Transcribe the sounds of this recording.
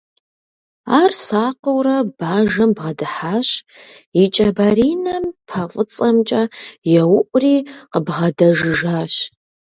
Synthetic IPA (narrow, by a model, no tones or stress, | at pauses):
aːrsaːqəwrɐb̥aːʒɐmbʁɐdɨħaːɕit͡ʃʼɐbɐɾiːnɐmpʰɐqʷʼət͡sʼɐmt͡ʃʼɐjɛwʊʔʷʼʊriːqəbʁɐdɐʒɪʒaːɕ